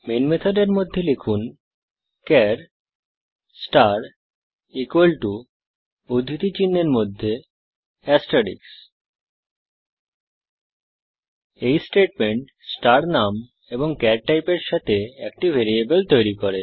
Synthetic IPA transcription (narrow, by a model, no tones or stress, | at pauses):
menmet̪ʰoɖeɾmod̪ʱːelekʰun | kɛɾ | sʈaɾ | ikuelʈu | od̪ʱit̪it͡ɕinːeɾmod̪ʱːe | ɛsʈaɾḭks | ejsʈeʈ̚meɳʈ | sʈaɾnam | eboŋkɛɾʈajpeɾʃat̪ʰeɛk̚ʈibʱeɾiebelt̪ojɾikoɾe